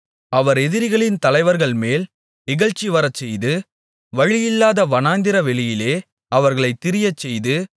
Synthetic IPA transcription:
ɐʋɐɾɛðɪɾɪɣɐɭɪnt̪ɐlɐɪʋɐɾɣɐɭmeːl | nɪɣɐɻt͡ʃːiʋɐɾɐt͡ʃːɛjðɯ | ʋɐɻɪjɪlːaːðɐʋɐnaːnd̪ɪɾɐʋɛɭɪjɪleː | ɐʋɐɾɣɐɭɐɪt̪ːɪɾɪjɐt͡ʃːɛjðɯ

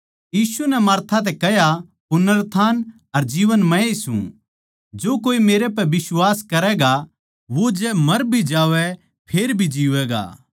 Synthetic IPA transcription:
jiːsunɛmaːɾt̪ʰat̪̬ɛkɛɦja | pʊnəɾt̪ʰaːn | ɐɾd͡ʒiːʋənmɛ̃isṵ̃ | d͡ʒoːkoːimeːɾɛp̬ɛbɪswaːskɐɾɛɡa | ʋod͡ʒɛmɐɾbʱid͡ʒaːʋɛ | pʰeːɾbʱid͡ʒiːʋɛːɡa̰ː

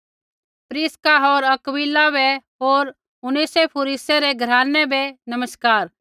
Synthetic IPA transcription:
pɾiːskaɦoːɾɐkbilːabɛɦoːɾ | ʊnisepʰʊːɾiseɾeɡʱɐɾaːnːɛbenɐməskaːɾ

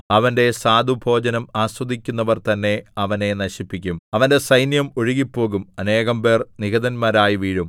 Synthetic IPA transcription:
ɐʋɐnde̞saːd̪ʱubʱo̞ːd͡ʑɐnɐmaːswɐd̪ʱikʲːunːɐʋɐrt̪ɐnːe̞ɐʋɐne̞nɐɕipːikʲːumɐʋɐnde̞sɐjnjɐmo̞ɻuɣipːo̞ːɣumɐne̞ːɣɐmbe̞ːrniɣɐðɐnmaːɾaːjiʋiːɻum

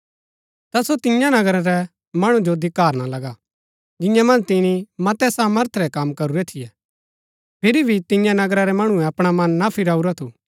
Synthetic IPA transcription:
t̪asot̪ɪ̃jãnɐɡɾaɾɛ | mɐɽ̃ũd͡ʒod̪ɪkaːɾnalɐɡa | d͡ʒɪ̃jãmɐ̃nd͡ʒt̪ɪnimɐt̪ɛsaːməɾt̪ʰɾɛkɐmkɐɾuɾɛt̪ʰɪjɛ | pʰɪɾibʱit̪ɪ̃jãnɐɡɾaɾɛmɐɽ̃ũɛ̃ɐpɽ̃amɐnːapʰɪɾaːuɾat̪ʰu

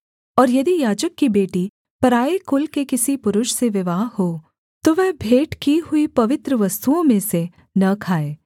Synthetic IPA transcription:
ɔːɾjɐd̪ijaːd͡ʒəkːibeːʈi | pɐɾaːekʊlkekɪsipʊɾʊʃseʋɪʋaːɦhoː | t̪oʋɛɦbʱeːʈkiɦʊipɐʋɪt̪ɾəʋɐst̪uõmẽse | nɐkʰaːeː

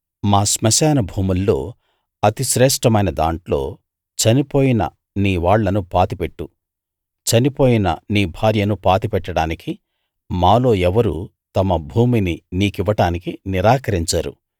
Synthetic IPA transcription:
maːsmɐʃɛːnɐbʱuːmulːo̞̰ː | ɐt̪iʃɾɛːʂʈɐmɐjnɐd̪a̰ːɳʈlo̞̰ː | t͡ʃɐnipo̞ːjinɐ̰ | niːʋaːɭːɐnupaːt̪ipeʈːu | t͡ʃɐnipo̞ːjinɐ̰niːbʱaːɾjɐnupaːt̪ipɛʈːɐɽaːniki | maːlo̞ːɛʋɐɾṵ | t̪ɐmɐbʱuːmininiːkiʋɐʈaːnikiniɾaːkɐɾiɲt͡ʃaːɾṵ

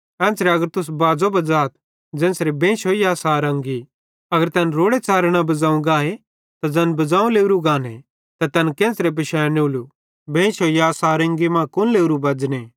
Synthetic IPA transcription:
ɛ̃ːnsɾeɐɡəɾt̪ʊs̬baːd͡zobɐd͡zaːt̪̚ | d͡ʒɛ̃ːnsɾebẽːʃoːijaːsaːɾɐ̃ŋɡi | ɐɡəɾt̪ɛːnɾoːɽet͡saːɾɽ̃abɐd͡zaːũɡaːɦe | t̪ad͡zɐnbɐd͡zãːũleːʊɾuɡaːne | t̪at̪ɛnkẽːsɾep̬ɪʃɛːneʊːlu | bẽːʃoːijaːsaːɾɐ̃ŋɡimãːkʊnleːʊɾubɐd͡ʒne

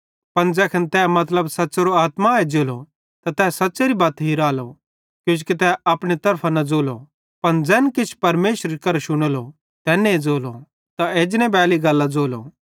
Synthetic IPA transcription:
pɐɳd͡zɛːkʰɐnt̪ɛːmɐt̪ləbsɐtːt͡ʃeɾoaːt̪maed͡zoːlo | t̪at̪ɛːsɐtːʃeɾibɐːt̪ɦiɾaːlo | kjõːt͡ʃkit̪ɛɐpɽ̃it̪ɐɾpʰanɐd͡zoːlo | pɐnd͡zɛːnkɪt͡ʃʰpɐɾmeːʃɾikɐɾʃʊɽ̃olo | t̪ɛːneed͡zoːlo | t̪aeːd͡ʒnẽbɛːliɡɐlːad͡zoːlo̰ː

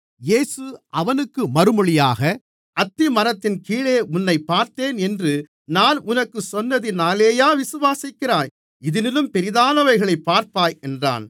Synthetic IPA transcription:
jeːsɯʔɐʋɐnɯkːɯmɐɾɯmɔɭɪjaːɣɐ | ʔɐt̪ːimɐɾɐt̪ːɪnkiːɭeːʔʊnːɐɪpːaːɾt̪eːnɛndrɯ | naːnʊnɐkːɯsɔnːɐðɪnaːleːjaːʋɪsɯʋaːsɪkːɪɾaːj | ɪðɪnɪlɯmpɛɾɪðaːlɐʋɐɪɣɐɭɐɪpːaːɾpaːjɛndra̰ːn

